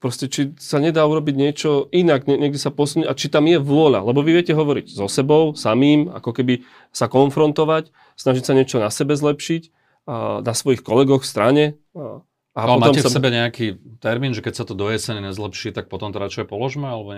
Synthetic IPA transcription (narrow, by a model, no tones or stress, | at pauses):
pɾɔscɛt͡ʃisaɲɛd̪aːuɾɔbiɟɲɪɛt͡ʃɔinaɡɲɛɲɛɡd̪isapɔsunucat͡ʃit̪amjɛʋʊɔʎa̰lɛbɔʋiʋɪɛcɛɦɔʋɔɾiɟzɔsɛbɔʊsamiːma̰kɔkɛbi | sakɔnfɾɔnt̪ɔʋac | snaʒicsaɲɪɛt͡ʃɔnasɛbɛzlɛpʃic | nasʋɔjixkɔlɛɡɔxfst̪ɾaɲɛ | aɔmaɔmɛfssɛbɛɲɛakit̪ɛɾmiːnʒɛkɛcsat̪ɔd̪ɔjɛsɛɲɛɲɛzlɛpʃiːt̪ak̚pɔt̪ɔmt̪ɔɾat͡ʃɔɛpɔlɔʒmɛalɛbɔɛ